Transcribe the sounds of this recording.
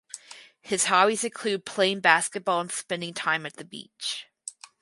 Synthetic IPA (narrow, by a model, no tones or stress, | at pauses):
hɨz̥hɑwizɨ̃nkʰl̥ʉd̚pʰl̥ẽɪ̃nbæskɨt̚b̥ɔlˠə̃nspɛ̃ndɪ̃ŋtʰãɪ̃mɨt̪̚ðɨbḭt͡ʃ